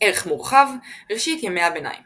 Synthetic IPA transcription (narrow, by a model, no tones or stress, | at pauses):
eʁeχmuʁχavʁeʃit̪jemeabena̰jm